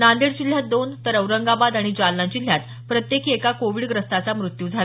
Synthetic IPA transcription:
nand̪eɽd͡ʑil̤ːjad̪ont̪əɾəwɾəŋɡabad̪aɽ̃id͡ʑalnad͡ʑil̤ːjat̪ | pɾət̪jekʰiekakoʋiːɖɡɾəst̪at͡samɾut̪juːd͡zʱal

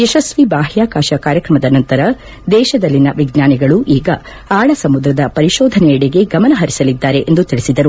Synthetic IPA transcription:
jɛʃɐsʋibaːɦjaːkaːʃɐkaːɾjɐkɾɐmɐd̪ɐnɐnt̪ɐɾɐ | d̪ɛːʃɐd̪ɐlːinɐʋiɡnaːniɡɐɭuʔiːɡɐ | aːɭɐsɐmud̪ɾɐd̪ɐpɐɾiʃɔːd̪ʱɐnɛɛɽeɡe̞ɡɐmɐnɐɦɐɾisɐlid̪ːaːɾe̞ʔend̪ut̪iɭisid̪ɐɾu

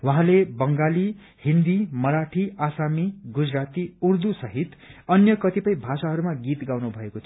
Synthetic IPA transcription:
waɦãlebʌŋɡali | hind̪imʌɾaʈʰiasamiɡud͡zɾat̪iuɾd̪usʌɦit̪ʌnjʌkʌt̪ipʌjbʱasaɦʌɾumaɡit̪ɡawnubʱʌekot̪ʰ

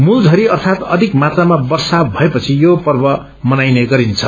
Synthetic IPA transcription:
muld͡zʱʌɾiʌrt̪ʰat̪ʌd̪ʱikmat̪amabʌrsabʱʌepʌt͡sʰijopʌrbʌ | mʌnajneɡʌɾint͡sʰʌ

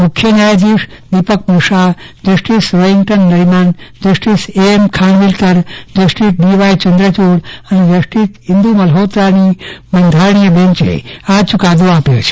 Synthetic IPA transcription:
mukʰjənajd͡ʒ̪iʂ | d̪ipək̚muʂa | d͡ʒəsʈisɾoɦiŋɡʈənːəɾimand͡ʒəsʈiseemkʰaɳʋilt̪əɾd͡ʒəsʈitɖiʋajt͡ʃənd̪ɾət͡ʃuɽəned͡ʒəsʈit̪ɦind̪umɐlɦoːt̪ɾanimənd̪ʱaɾɳ̃ijəbẽɲt͡ʃḛat͡ʃukad̪oapjot͡ʃʰe̥

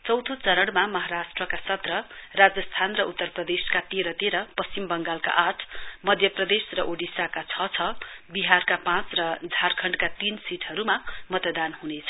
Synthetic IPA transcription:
t͡sʌwt̪ʰot͡sʌɾʌɽmamʌɦaɾasʈrʌkasʌt̪rʌrad͡zʌst̪ʰanrʌʔut̪ːʌrprʌd̪eskat̪eɾʌt̪eɾʌpʌst͡simbʌŋɡalka̰ʔaʈʰmʌd̪ʱjʌprʌd̪esrʌʔoɖisakat͡sʰʌt͡sʰʌbiɦarkapãt͡srʌd͡zʱarkʰʌɳɖkat̪insiʈʰɦʌɾumamʌt̪d̪anɦunet͡sʰʌ̥

